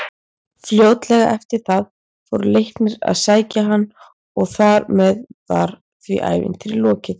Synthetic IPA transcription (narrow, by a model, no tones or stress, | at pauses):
fljoːwt̪lɛɣa̰ʔɛft̪ɪɾ̥θað | fɔwɾʏlejhk̪nɪɾa̰ðsaːjcaɦanː | ɔɣθaɾmɛðvaɾ̥ | θviʔa̰ːjvɪ̰nt̪ʰɪɾilɔːcɪθ